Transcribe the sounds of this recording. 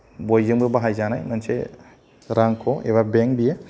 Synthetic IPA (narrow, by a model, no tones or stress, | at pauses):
bɔjd͡ʒɯŋbɯbaɦajzanajmanse | ɾaŋkʰɔʔebabɛŋ̚bije